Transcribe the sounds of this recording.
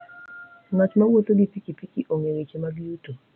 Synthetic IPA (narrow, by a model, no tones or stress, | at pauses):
ŋat͡ʃmawot̪oɡipikipikiʔoŋeɾet͡ʃemaɡiuto